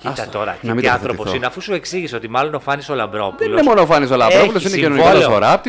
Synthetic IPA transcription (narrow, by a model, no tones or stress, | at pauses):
ɐst̪t̪oɾɐ̰nɐmiɐnθɾopoθsineɐfusueksiʝiseot̪imɐlonofɐnisolɐbɾopuðelnemo̞nofɐnis̬o̞lɐbɾopulosinecinoniɐsfoɾɐp̚t̪i